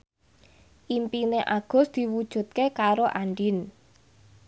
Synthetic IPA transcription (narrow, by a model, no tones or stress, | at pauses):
ʔimpineʔa̰ɡ̥ɔ̤sd̪̥i̤wud̥ʒ̥ṳt̪̚kekaɾoʔaɳɖin